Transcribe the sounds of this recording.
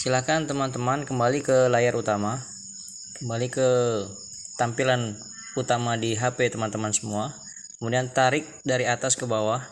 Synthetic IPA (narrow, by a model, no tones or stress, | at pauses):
silakant̪əmant̪əmankəmbalikəlajaɾʔut̪ama | kəmbalikə | t̪ampilan | ut̪amadiɦapet̪əmant̪əmansəmua | kəmudiant̪aɾɪk̚daɾiat̪askəbawah